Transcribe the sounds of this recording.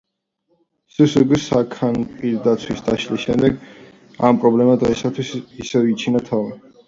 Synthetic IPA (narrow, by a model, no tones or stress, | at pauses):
susɛɡwɛsakʰanpʼiɾd̪at̪sʰwisd̪aʃlisʃɛmd̪ɛɡ | a̰mpʼɾɔblɛmad̪ʁɛsat̪ʰwisisɛvit͡ʃʰinat̪ʰavi